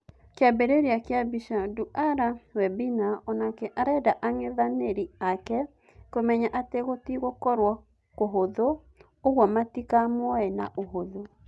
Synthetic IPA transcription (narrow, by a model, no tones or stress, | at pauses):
keabeɾeɾeakeabiʃaduʔaɾawɛbinaɔnakɛʔaɾɛdaʔaŋeðaneɾiakɛ | komɛɲaʔateɣotiɣokɔɾwɔ | koɦoðo | oɣwɔmatikamwɔɛna̰ʔoɦoðo